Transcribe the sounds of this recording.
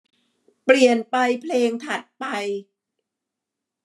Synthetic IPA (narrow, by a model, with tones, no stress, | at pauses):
pli˨˩ənpa˧jpʰleː˧ŋt̪ʰa˨˩t̪̚pa˧j